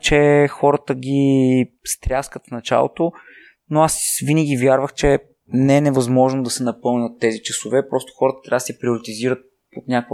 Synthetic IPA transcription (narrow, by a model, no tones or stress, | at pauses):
t͡ʃɛxɔɾət̪əɡʲist̪ɾʲjaskət̪fnɐt͡ʃa̰lˠo̰t̪o | noasvinəɡʲivjaɾvəxt͡ʃɛ | nɛɛnɛvɐzmɔʒnod̪ɐsɛnɐpɤlˠnʲət̪ːɛzit͡ʃɐsovɛpɾɔst̪o̥xɔɾət̪ət̪ɾʲad̪sɛpɾioɾit̪iziɾət̪̚ | ot̪nʲak